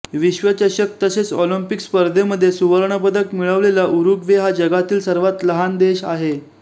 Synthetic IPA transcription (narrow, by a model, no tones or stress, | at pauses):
ʋiɕʋət͡ɕəɾɕək̚t̪əset͡solimpikspəɾd̪ʱeməd̪ʱːjesuʋəɾɳəpəd̪əkmiɭəʋlelaʔuɾuɡʋeɦad͡ʑəɡat̪iːlsəɾʋat̪ləɦand̪eɕa̰ɦe